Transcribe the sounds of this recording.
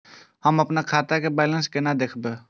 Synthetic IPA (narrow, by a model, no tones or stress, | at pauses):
həməpnakʰaːt̪akebɛːlənskenad̪eːkʰbe